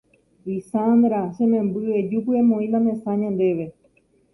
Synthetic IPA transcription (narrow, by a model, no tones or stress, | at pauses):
isand̪ɾaʃẽmẽmbɨed͡ʒupɨẽmõĩlãmẽsãɲãnd̪e̞ʋe̞